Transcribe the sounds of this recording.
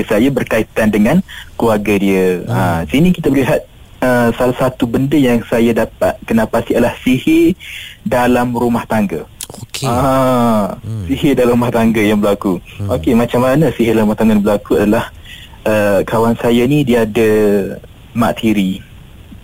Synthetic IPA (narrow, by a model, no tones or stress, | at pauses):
sajabərkait̪andəŋankluarɡadiəəsinikit̪abəliɦat̪̚ | əsalahsat̪ubəndəjaŋsajadapat̪̚kənapastiadalahsihɪdalamɾumaht̪aŋɡəoa | siɦedalamɾumaht̪aŋɡəjaŋbəlakuokemat͡ʃamːanəsiɦɪdalaɾumaht̪aŋɡəjãbəlakuadalah | ʔəkawansajanidiadə | ma̰ʔt̪ʰiɾi